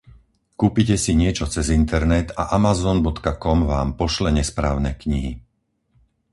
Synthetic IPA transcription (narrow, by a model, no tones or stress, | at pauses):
kuːpicɛsiɲɪɛt͡ʃɔt͡sɛzint̪ɛɾnɛt̪aʔamazɔnbɔt̪kakɔmʋaːmpɔʃlɛɲɛspɾaːʊnɛkɲiɦi